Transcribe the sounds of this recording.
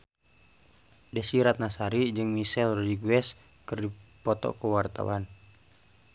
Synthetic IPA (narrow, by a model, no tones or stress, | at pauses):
dɛsiɾat̪̚nasaɾid͡ʒɨŋmisɛlrɔdiɡuɛs | kərdipɔt̪ɔ̰kuwart̪a̰wan